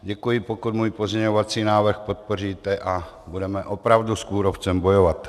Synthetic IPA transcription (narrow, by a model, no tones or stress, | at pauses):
ɟɛkujɪpokut̪muːjpozɲɛɲovat͡siːnaːvr̩xpo̞t̪̚poriːt̪ɛʔa | budɛmɛʔo̞pɾavduskuːɾoft͡sɛmbojovat̪